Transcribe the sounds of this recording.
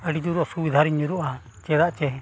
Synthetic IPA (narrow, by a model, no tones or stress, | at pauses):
əɖid͡ʒuɾɔsubid̪ʱaɾiɲuɾuʔa | t͡ʃɛd̪aʔt͡ʃɛ